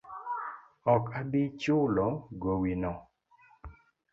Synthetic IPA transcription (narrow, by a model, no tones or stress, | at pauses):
ɔkadit͡ʃʊlɔɡowinɔ